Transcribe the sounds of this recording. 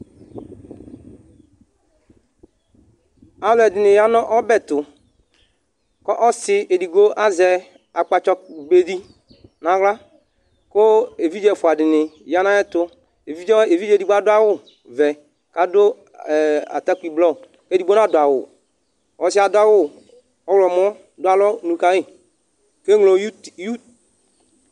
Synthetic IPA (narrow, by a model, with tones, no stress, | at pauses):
a˨lɛ˨dɪ˨nɪ̃˨ja˦nɔ˦ʔɔ˦bɛ˦˨t̪ʊ˨ | kɔ˦ʔɔ˦sɪ˨e˨di˨ɡo˦ʔa˦zɛ˨ | a˨k͡pa˨t͡ʃɔ˧be˨di˦ | nã˨ɣla˦ | kʊ˦e˨vi˦d͡ʒɛ˨fʊ˨a˨dɪ˨nɪ˨ja˦nã˦ɛ˦t̪ʊ˦ | e˨vi˦d͡ʒɔ˦e˨vi˦d͡ʒe˦˨di˨ɡ͡bo˦a˦dʊ˦a˦wʊ˦˨ | vɛ˨ | ka˨dʊ˦˨ | a̰˨t̪a˦kʷu˦i˨blɔ˦˨ | ke˦di˨ɡ͡bo˦nã˦dʊ˨a˨wʊ̰˨ | ɔ˨sɪ˦a˨dʊ˦a˦wʊ˦˨ | ɔ˦wlɔ˨m˦ɔ̃˦ | dʊ˦a˨lɔ˦nũ˨kã˨˦i˦˨ | ke˦ŋlo˨˦ju˦